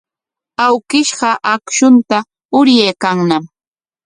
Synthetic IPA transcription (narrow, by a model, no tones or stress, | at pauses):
awkɪʃɢɑʔakʃʊnt̪a | ʊɾjejkaŋnam